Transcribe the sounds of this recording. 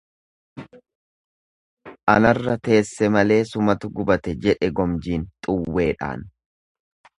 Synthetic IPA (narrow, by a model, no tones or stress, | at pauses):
ʔɐnɐrːɐt̪e̞ːsːɛmɐle̞ːsʊmɐt̪ʊɡʊbɐt̪ɛd͡ʒɛᶑɛɡɔmd͡ʒiːnt̪ʼʊwːe̞ːᶑa̰ːn